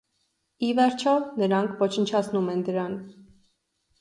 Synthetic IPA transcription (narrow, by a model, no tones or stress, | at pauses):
ivɛɾt͡ʃʰɔnəɾɑŋkʰvɔt͡ʃʰənt͡ʃʰɑt͡sʰnumɛnd̪əɾɑn